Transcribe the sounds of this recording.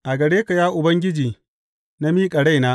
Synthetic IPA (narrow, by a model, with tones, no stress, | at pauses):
ʔa˨ɡɐ˨ɽeː˦ka˨jaː˦ʔʊ˨bɐ˦ŋɡʲɪ˦d͡ʒiː˨ | na˦miː˦kʼɐ˨ɽa˦jnaː˦